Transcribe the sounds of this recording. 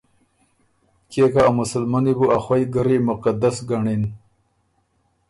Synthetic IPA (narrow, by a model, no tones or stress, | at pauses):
kekaamʊsəlmanibuaxwajɡəɾimʊqad̪asɡaɳin